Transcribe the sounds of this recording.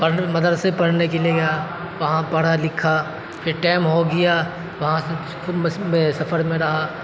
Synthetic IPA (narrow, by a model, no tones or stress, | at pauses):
pɐmɐd̪əd̪sepɐɽnekelieɡɐjaː | ʋɐɦãpɐɽ̤alɪkʰa | pʰɪɾʈeːɪmɦoɡɐjaː | ʋɐɦãse | kʰʊmmẽsɐfəɾmẽɾɐɦaː